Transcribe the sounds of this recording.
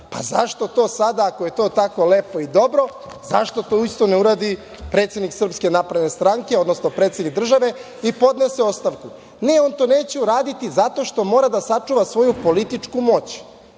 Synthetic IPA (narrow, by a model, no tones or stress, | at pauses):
pa̰zaʃt̪o̞t̪o̞ːsad̪aːkoje̞t̪o̞ːt̪ako̞leːpo̞id̪o̞bɾo̞ | za̰ʃt̪o̞t̪o̞ist̪oneuɾaːd̪i | pɾet̪sjed̪niksr̩pske̞naːpɾed̪ne̞st̪ɾaŋke̞o̞d̪no̞snopɾe̞ːt̪sjed̪nik̚d̪r̩ʒaʋe̞ | ipo̞d̪neseo̞st̪aʋku | neo̞nt̪o̞neːt͡ɕeuɾaːd̪it̪izat̪o̞ʃt̪o̞mo̞ːɾad̪asat͡ʂuʋasʋo̞jupo̞lit̪it͡ʂkumo̞t͡ɕ